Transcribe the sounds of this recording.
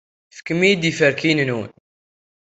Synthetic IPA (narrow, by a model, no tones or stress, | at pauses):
θə̥kːəmid̪ifəɾkinənun